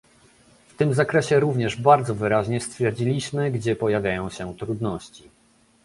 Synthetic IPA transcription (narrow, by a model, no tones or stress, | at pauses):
ft̪ɘmzakɾɛɕɛɾuvɲɛʐbaɾd̪zɔvɘɾaʑɲɛst̪fʲjɛɾd͡ʑilʲiɕmɘɡd͡ʑɛpɔjavʲjajɔ̃w̃ɕɛt̪ɾud̪nɔɕt͡ɕi